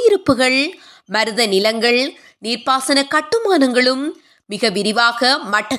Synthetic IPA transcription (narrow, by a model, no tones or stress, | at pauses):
jɪɾɯpːɯɣɐɭ | mɐɾɯðɐnɪlɐŋɡɐɭ | niːɾpaːsɐnɐkɐʈːɯmaːnɐŋɡɐɭɯmː | ɪɣɐʋɪɾɪʋaːɣɐmɐʈːɐ